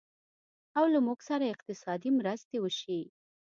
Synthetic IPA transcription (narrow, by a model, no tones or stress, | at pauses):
awlamuɡsaɾaɪqt̪ɪsɑd̪imɾəst̪ewəʃi